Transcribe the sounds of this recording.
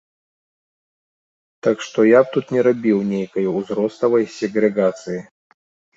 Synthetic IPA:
t̪akʂt̪ɔjap̚t̪ut̪nʲɛɾabʲiwnʲejkɐjuzɾɔst̪ɐvɐjsʲɛɣɾɛɡat̪sɨji

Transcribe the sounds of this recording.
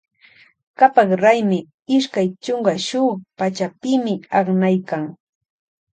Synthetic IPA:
kapaχɾajmɪ | ɪʃkajt͡ʃoŋɢaʃʊpat͡ʃapɪmɪɑχnajkaŋ

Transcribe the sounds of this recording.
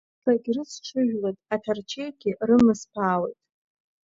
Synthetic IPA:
taɡʲrɨt͡sʰʈ͡ʂʰɨʒᶣlatʼatʰart͡ʃʰejɡʲɪrɨmɨspʰaːwḛjtʼ

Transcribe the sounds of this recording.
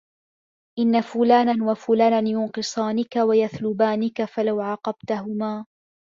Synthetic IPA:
ʔɪnːafʊlaːnanwafʊlaːnanjʊnqɨsˤɑːnɪkawajaθlʊbaːnɪkafalawʕɑːqɑbt̪aɦʊmaː

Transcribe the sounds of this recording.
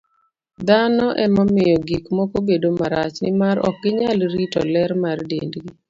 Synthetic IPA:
d̪anɔʔɛmɔmɪjɔɡikmɔkobedomaɾat͡ʃnɪmaɾɔ̰k̚ɡɪɲalɾitɔ̰lɛɾmardendɡi

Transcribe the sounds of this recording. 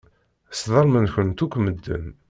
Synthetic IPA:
sðˤɑɾˤmənçənt̪ukʷːməd̪ːə̰n

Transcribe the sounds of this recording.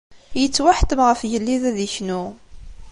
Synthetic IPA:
jət͡sːwaħt̪əmʁəfjəlːiðæðiçnu

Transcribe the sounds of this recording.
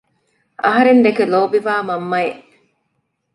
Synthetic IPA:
ɐɦɐɾend̪ekeloːbiʋaːmɐmːɐeʔ

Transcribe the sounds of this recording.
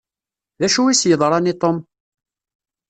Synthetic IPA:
ðæʃuwisjəðˤɾˤɑnit̪ˤom

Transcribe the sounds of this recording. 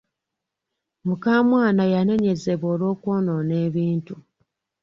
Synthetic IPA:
mukaːmwaːnajane̞ɲe̞ze̞βo̞ːlo̞ːkwo̞ːno̞ne̞ːβiːntu

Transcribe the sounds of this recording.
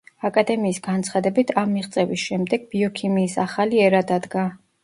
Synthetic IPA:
akʼad̪ɛmiːsɡant̪sʰχad̪ɛbit̪ʰamːiʁt̪sʼɛvisʃɛmd̪ɛɡ̥̚biɔkʰimiːsaχaliɛɾad̪ad̪ɡa

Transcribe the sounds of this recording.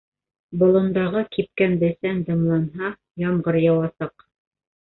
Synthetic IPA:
bŏlˠɤ̆nd̪ɑʁɤkip̚kænd̪ɘ̆sænd̪ɤ̆mlˠɑnɦɑ | jɑmɢɤɾjɑwɑsɑq

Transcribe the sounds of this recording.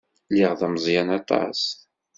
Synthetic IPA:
liʁðæməzˤjænɑt̪ˤɑ̰s

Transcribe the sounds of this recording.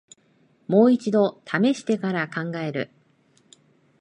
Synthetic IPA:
mo̞ːit͡ɕid̪o̞t̪ʰame̞ɕi̥t̪e̞kaɾakãŋɡae̞ɾɯ̟̰

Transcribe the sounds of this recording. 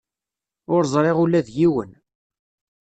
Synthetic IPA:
ʊɾzˤɾˤeʁulːæðjiwə̰n

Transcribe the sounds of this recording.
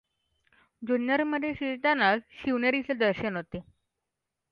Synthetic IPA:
d͡ʑunjəɾməd̪ʱːjeɕit̪anasɕiʋnəɾit͡sed̪əɾɕənɦot̪e

